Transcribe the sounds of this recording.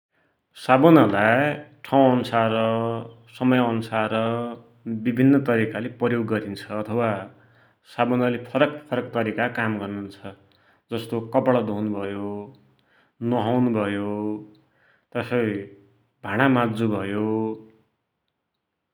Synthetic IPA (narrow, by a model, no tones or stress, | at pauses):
sabonʌlaʈʰaw̃ʌnusarʌ | sʌmʌjʌnusarʌ | bibʱinːʌt̪ʌɾikaleprʌjoɡːʌɾint͡sʰʌːt̪ʰʌwa | sabonʌlepʰʌɾʌkpʰʌɾʌkt̪ʌɾikakamɡʌrnunt͡sʰʌ | d͡zʌst̪okʌpɽʌd̪oɦnubʱʌjo | nʌɦawnubʱʌjo | t̪ʌsʌj | bʱaɽ̃amad͡zubʱʌjo